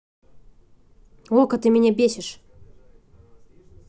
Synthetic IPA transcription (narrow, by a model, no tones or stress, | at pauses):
okət̪ɨmʲɪnʲebʲesʲɪʂ